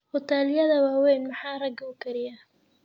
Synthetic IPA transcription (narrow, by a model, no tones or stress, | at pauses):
hʊt̪ʰaːlɪjɐðɐwaːwɛjnmɑħɑːrɐɡʊkʰɐɾɪja